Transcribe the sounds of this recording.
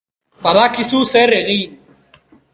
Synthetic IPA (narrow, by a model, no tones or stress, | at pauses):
baðakisuse̞reɣin